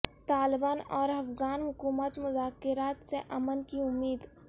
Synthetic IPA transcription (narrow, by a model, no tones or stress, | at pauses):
t̪aːlɪbaːnɔːɾɐfɣaːnɦʊkuːmət̪mʊzaːkɪɾaːt̪seʔɐmənkiʊmːiːd̪